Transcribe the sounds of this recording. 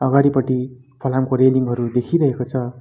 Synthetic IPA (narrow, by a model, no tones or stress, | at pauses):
ʌɡaɽipʌʈi | pʰʌlamkoɾeliŋɡɦʌɾud̪ekʰiɾʌɦekot͡sʰʌ